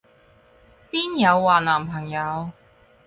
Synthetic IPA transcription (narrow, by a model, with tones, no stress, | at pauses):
piː˥njɐ˨˧wːaː˨˩nlaː˨˩mpʰɐ˨˩ŋjɐ˨˧w